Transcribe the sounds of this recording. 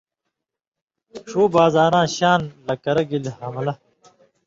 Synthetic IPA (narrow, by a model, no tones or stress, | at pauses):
ʂoːbaːzaːɾãːɕaːnlɐkɐɾɐɡilhɐmɐlɐ